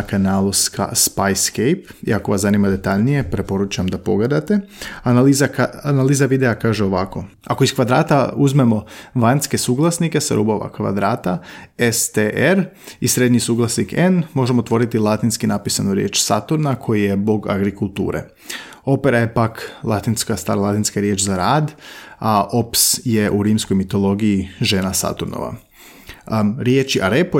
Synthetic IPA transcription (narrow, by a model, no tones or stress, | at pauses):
kanaːlˠoska̰spajskejpḭako̞ʋaszanimad̪e̞t̪aʎnije̞pɾe̞po̞ɾut͡ʃamd̪apo̞ɡle̞d̪at̪e̞analizakaanaliːzaʋid̪eakaːʒeo̞ʋako̞ | akoiskʋad̪ɾaːt̪auzme̞mo̞ʋanske̞suːɡlˠasnike̞sa̰ɾʔṵboʋa̰kʋa̰d̪ɾaːt̪aest̪eʔeɾ | isɾe̞d̪ɲisuːɡlˠasnikenmo̞ʒemoot̪ʋo̞ɾit̪ilˠat̪inskinapisanuɾjḛːt͡ʃsat̪uɾnakʰo̞jijebo̞ɡa̰ɡɾikulˠt̪ṵːɾḛ | o̞peɾaje̞paklˠat̪inskast̪aɾalˠat̪inskaɾje̞ːt͡ʃzaɾaːd̪aʔo̞psje̞ʔuɾiːmskojmit̪o̞lˠo̞ɡijiʒeːnasa̰t̪uɾno̰ʋa̰ | ɾjeːt͡ʃiʔaɾepo